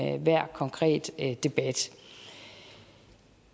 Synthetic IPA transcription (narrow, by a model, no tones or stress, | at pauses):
ʋæɐ̰kʰɒ̽ŋkʰʁɛ̰ːd̥e̝b̥æd̥